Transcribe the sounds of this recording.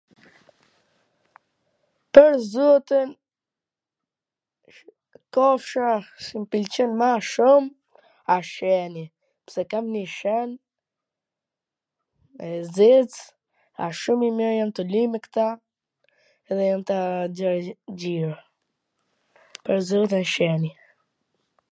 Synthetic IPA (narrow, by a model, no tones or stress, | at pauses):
pəɾzut̪ən | kɔfʃaʃimpilt͡ɕənmaʃum | aʃɛni | psɛkamniʃɛn | ɛzit͡s | a̰ʃumimiɾjamt̪əlimɛkt̪a | ɛðɛjamt̪aəɾd͡ʑiɾa | pəɾzɔt̪̬ənʃɛni